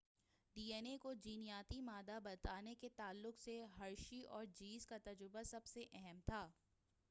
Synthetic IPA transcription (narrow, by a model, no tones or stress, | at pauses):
ɖiːeːnekod͡ʒiːnijaːt̪imaːd̪abɐt̪aːneket̪aːlːʊkseɦɐɾʃiʔɔːɾd͡ʒiːzkat̪ɐd͡ʒɾʊbasɐbseʔɛɦɛmt̪ʰaː